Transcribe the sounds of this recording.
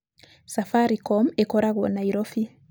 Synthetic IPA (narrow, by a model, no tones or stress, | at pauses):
safaɾikɔmekɔɾaɣɔnaiɾofi